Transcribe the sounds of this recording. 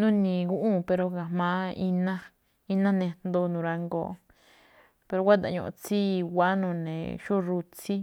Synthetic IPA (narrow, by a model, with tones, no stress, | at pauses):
nũ˦nĩ˨ɡu˦ʔũ˦˨pe˧ɾo˧ɣa˨hmã˧˦i˧nã˦ | i˧nã˦nẽ˧nd̪o˧nũ˨ɾa˧ŋɡo̰˨˧ | pe˧ɾo˧wʷa˦t̪̬a̰˨ɲõ̰˧˨˧t͡si˦wʷa˦nũː˨nḛ̃˨ʃo˦ɾu˧t͡si˦